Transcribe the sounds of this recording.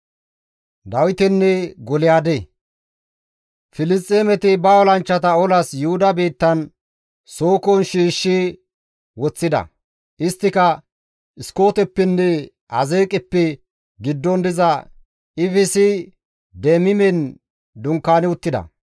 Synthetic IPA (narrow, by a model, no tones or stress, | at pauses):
d̪ɐwɪt̪ɛnːɛɡɔlɪjaːd̪e | fɪlɪst̪ʼːeːmɛt̪ɪbɐɔlɐnt͡ʃːɐt̪ɐɔlɐsjʊhʊd̪ɐbiːt̪ːɐn | soːkɔnʃiːʃːɪ | wɔt͡sːɪd̪ɐ̰ | ɪst̪ːɪkɐ | ɪsko̞ːt̪ɛpːɛnːɛ | ɐzeːkʼɪpːɛ | ɡɪd̪ːɔnd̪ɪzɐ | ɪfɪsɪ | d̪ɛmɪmɛn | d̪ʊŋkːaːnɪʊt̪ːɪd̪ɐ̰